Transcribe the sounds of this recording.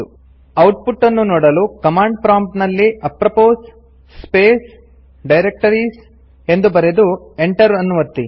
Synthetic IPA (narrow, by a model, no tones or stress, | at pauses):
u | ɐwʈ̚puʈːɐnːunɔːɽɐlukɐmaːɳɖ̚pɾaːmʈnɐlːiʔɐpɾɐpoːs | speːs | ɖɐjɾek̚ʈɐɾis | e̞nd̪ubɐɾed̪u | eɳʈɐɾɐnːuʋɐt̪ːi